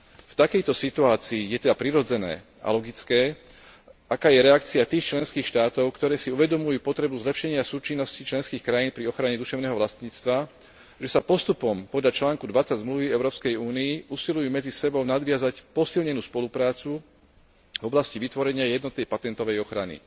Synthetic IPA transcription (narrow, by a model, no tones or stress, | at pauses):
ft̪akɛjt̪ɔsit̪uaːt͡siːjɛt̪ɛd̪apɾiɾɔd͡zɛnɛ̰ː | a̰lɔɡit͡skɛː | ʔakaːjɛɾɛakt͡siat̪iːxt͡ʃlɛnskiːxʃt̪aːt̪ɔʊkt̪ɔɾɛːsiuʋɛd̪ɔmujuːpɔt̪ɾɛbuzlɛpʃɛɲɪasuːt͡ʃinːɔscit͡ʃlɛnskiːxkɾajiːnpɾiɔxɾaɲɛd̪uʃɛʊnɛːɦɔʋlast̪ɲiːt͡st̪ʋa | ʒɛsapɔst̪upɔmpɔd̪ʎat͡ʃlaːŋkud̪ʋat͡saɟzmluʋiɛʊɾɔːpskɛjuːniiʔusilujuːmɛd͡zisɛbɔʊnad̪ʋɪazacpɔsilɲɛnuːspɔlupɾaːt͡su | vɔblasciʋit̪ʋɔɾɛɲɪajɛd̪nɔt̪̚nɛjpat̪ɛnt̪ɔʋɛjɔxɾanḭ